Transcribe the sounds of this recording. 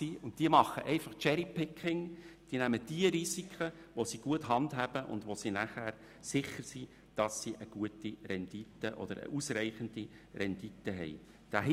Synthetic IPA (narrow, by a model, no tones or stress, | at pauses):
iʊnt̚d̥iəmɑχəʔɛɪfɑχt͡ʃɛɾipɪkʰːɪŋd̥iːnæməd̥iəɾisikʰχə | ʋosiːɡ̥uəthɑndɦæb̥əʔʊ̰ndʋosinæχæːɾ | sɪχːəɾsiː | d̥ɑsːiʔəɡ̥uətirɛnd̥itːəʔɔ̰d̥̪əɾə̰ʔusrɛɪχəndi | rɛnd̥itːəɦɛ̰ɪ | d̥æ